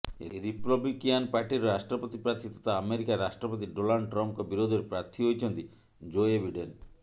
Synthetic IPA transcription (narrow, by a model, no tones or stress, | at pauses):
ɾipɾɔblikianpaɾʈiɾɾaʃʈɾɔpɔt̪ipɾaɾt̪ʰit̪ɔt̪aːmeɾikaːaʃʈɾɔpɔt̪iɖonaɭɖʈɾɔmp̚kɔbiɾod̪ʱeɾpɾaɾt̪ʰiɦojt͡ʃʰɔnt̪i | d͡ʒoebʱiɖen